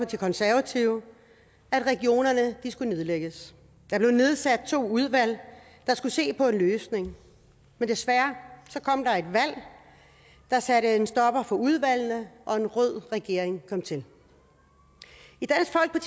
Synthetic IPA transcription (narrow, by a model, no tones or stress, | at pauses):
ɒ̽t͡sʰe̝kʰɒ̽nsæɐʋæt͡sʰiʊ | æd̥ʁɛɡ̥io̝̰ːnɐnəd̥isɡ̥une̝ð̞ˠleɡ̥əs | d̥ɑb̥le̝ne̝ð̞ˠsæd̥̚t͡sʰo̝̰ːuð̞ˠʋæl̰ | d̥ɑ̈sɡ̥use̝̰ːpʰɒ̽e̝nløːsne̝ŋ | mend̥esʋæɐsɒ̽kʰɒ̽m̰d̥ɑ̈e̝d̥ʋæl̰ | d̥ɑ̈sæɾəe̝nsd̥ɒ̽b̥ɐfɒ̽uð̞ˠʋæl̰nəʔɒ̽e̝nʁɔð̰ˠʁɛɡ̥e̝ɐ̰eŋkʰɒ̽m̰t͡sʰe̝l | id̥æn̰sɡ̥fɒ̽l̰ɡ̥̚pʰɒ̽t͡sʰ